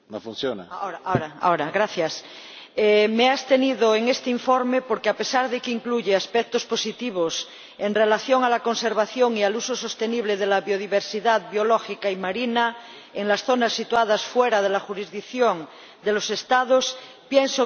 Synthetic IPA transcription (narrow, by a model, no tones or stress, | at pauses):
nofunθjona̰aoɾaoɾaa̰oɾaɣɾaθjas | emeast̪eniðoeŋest̪eiɱfoɾmepoɾkeapesaɾðekeiŋkluʝeaspɛk̚t̪osposit̪iβ̞os | enrelaθjoŋalakonseɾβaθjoŋialusoso̞st̪eniβ̞leðelaβjoð̞iβeɾsiðaðβjoloxikaimaɾina | eŋlasθonasːit̪uað̞asfweɾaðelaxuɾizðikθjoŋ | d̪elose̞st̪að̞os | pjenso